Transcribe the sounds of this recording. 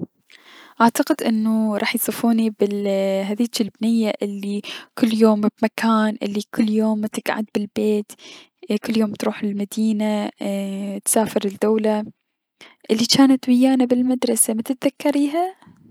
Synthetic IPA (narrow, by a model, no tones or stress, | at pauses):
ʔaʕt̪aqɪd̪ʔɪnːuɾˤɑ̰ːħjsˤɨfuːnibɪlɦaðiːt͡ʃilbnɪjːaʔɪlːikʊlːjoːmbmakʰaːnʔɪ̰lːikʰʊlːjoːmt̪ɪɡʕa̰d̪̚bɪlbeːt̪ | kʊlːjoːmt̪ɾuːħɪlmad̪iːna | t̪saːfɪɾɪd̪ːawla | ʔɪlːit͡ʃaːnat̪wɪjːaːnabɪlmad̪ɾˤɑsamat̪ɪt̪̚ðakːɑɾiːɦa